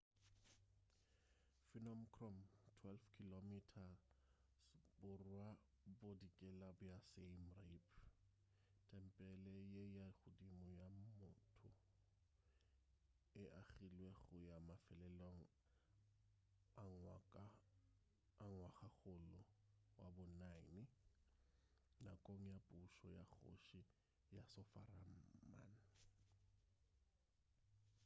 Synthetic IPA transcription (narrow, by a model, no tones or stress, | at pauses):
finɔmkʰrɔmtʰwɛlfkʰilomitʰa | sbʊrwa | bodikʼɛlabʊjasemrepʰ | tʰʼɛm̩pʼɛlɛjejaχʊdimʊjamʊtʰʊ | ɪʔaɣilweɣʊjamafɛlɛloŋ̩ | ŋwakʼa | ŋwaχaɣʊlʊwabʊnainɪ | nakʼoŋ̩japʼuʃɔjaχo̰ʃi | jasɔfa̰ram̩ma̰n